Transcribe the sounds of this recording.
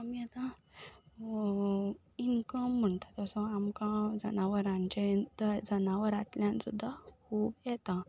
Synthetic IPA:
amiat̪ã | inkəm̤ːəɳt̪at̪ɔsɔ̃amkãd͡zə̰naʋəɾãɲt͡ɕend̪əd͡zənaʋəɾat̪ljãnsud̪ʱːakʰuːbjɛt̪ã

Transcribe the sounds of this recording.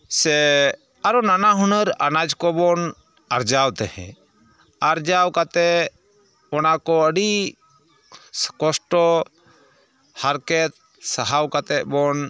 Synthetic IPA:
sɛ | aɾɔnanaɦɔnəɾanad͡ʒkɔbɔn | aɾd͡ʒawt̪ɛhɛ̰̃ | aɾd͡ʒawkat̪ɛ | ɔnakɔəɖi | kɔsʈɔ | haɾkɛt̪̚ | saɦawkat̪ɛbɔn

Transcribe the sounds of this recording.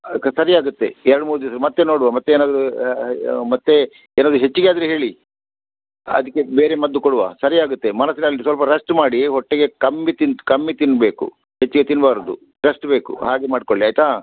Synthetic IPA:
sɐɾiaːɡut̪ːe̞ɛɾɐɽumuːɾud̪inɐsɐɾmɐt̪ːeno̞ːɽuʋamɐt̪ːeeːnaːd̪ɾu | mɐt̪ːe | eːnaːd̪ɾuɦet͡ʃːuɡeaːd̪ɾeɦe̞ːɭi | ɐ̰d̪ɐkːe̞beːɾemɐd̪ːukoɽuʋa̰ːsɐɾijaːɡut̪ːe̞mɐnɐsːinɐlːisʋɐlpɐɾɐsʈmaːɽiɦɔʈːeɡe̞kɐmːit̪int̪ukɐmːit̪inːbe̞ːkṵ | het͡ʃːiɡe̞t̪inːbaːɾod̪u | ɾɐsʈbe̞ːkṵɦaːɡemaːɖkoɭːiaːjt̪aː

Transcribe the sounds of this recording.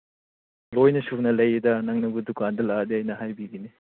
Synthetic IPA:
lojnɐsunɐlɐjɐdɐnɐŋnɐbudukandɐladiɐjnɐɦajbiɡini

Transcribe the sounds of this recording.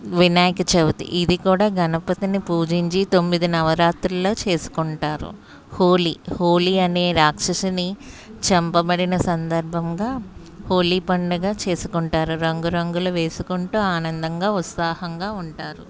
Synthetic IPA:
ʋinaːjɐkɐt͡ʃebut̪ḭʔid̪ikuːɽaːɡɐnɐpɐt̪inipuːd͡ʒiɲt͡ʃit̪o̞mːid̪inɐʋɐɾaːt̪ɾɐlo̞ːt͡ʃe̞ːsu̥kuɳʈaːɾṵ | hoːliho̞ːliɐne̞ːɾaːkʂɐʂinit͡ʃɐmpɐbɐɽinɐsɐnd̪ɐɾbʱɐŋɡaː | ho̞ːliːpɐɳɖɐɡaːt͡ʃe̞ːsu̥kuɳʈaːɾuɾɐŋɡuɾɐŋɡulɐʋe̞ːsukuɳʈuːaːnɐnd̪ɐŋɡaːut̪saːhɐŋɡaːuɳʈaːɾu

